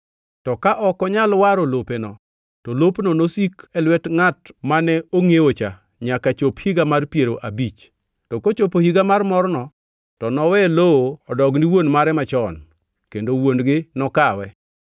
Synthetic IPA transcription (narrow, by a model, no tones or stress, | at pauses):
tɔkaʔɔkɔɲalwaɾolopenɔ | tɔlopnɔnosikɛlwɛtŋatmanɛoŋewot͡ʃa | ɲakat͡ʃophiɡamarpjeɾoʔabit͡ʃ | tɔkot͡ʃopohiɡamarmɔrnɔ | tɔnɔwɛlooɔdɔɡniwonmaɾɛmat͡ʃɔn | kendowonɡɪnɔkawɛ